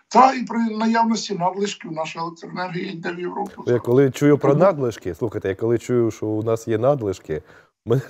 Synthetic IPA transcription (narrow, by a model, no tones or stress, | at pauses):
t̪ɑipɾɪnɐjawnɔsʲtʲinɑd̪lˠɪʃkɪwnɑʃɪlˠkt̪ernɛrɦɪid̪ɛʋjɪwɾɔjɐkːɔlˠɪt͡ʃujʊpɾɔnɑd̪lˠɪʃkɪslˠuxɐjt̪ɛjakɔlˠɪt͡ʃujʊʃɔunɑsjɛnɑd̪lˠɪʃkɪ | mɪ